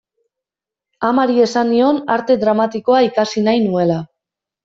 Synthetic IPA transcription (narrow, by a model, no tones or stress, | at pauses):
amaɾie̞sanːio̞na̰ɾt̪e̞dɾamat̪iko̞aikasinajnue̞la